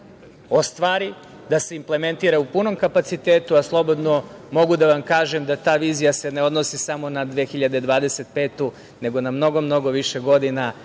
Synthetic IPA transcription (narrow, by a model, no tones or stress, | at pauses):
ost̪ʋaːɾi | d̪ase̞imple̞me̞nt̪iːɾaupuno̞mkapat̪sit̪eːt̪uaslˠo̞bo̞d̪nomo̞ɡud̪aʋamkaːʒemd̪at̪aːʋiːzijaseneo̞d̪nosisamo̞nad̪ʋexiʎad̪ed̪ʋaːd̪ese̞t̪̚pe̞ːt̪u | ne̞ɡo̞namno̞ɡo̞mno̞ɡo̞ʋiʃeɡo̞d̪ina